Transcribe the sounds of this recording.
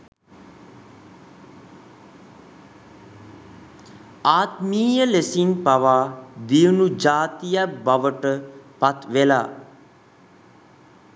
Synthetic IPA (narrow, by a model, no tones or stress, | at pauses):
aːt̪miːjəlesinpaʋaːd̪ijunud͡ʒaːt̪ijabaʋəʈəpat̪ʋela̰ː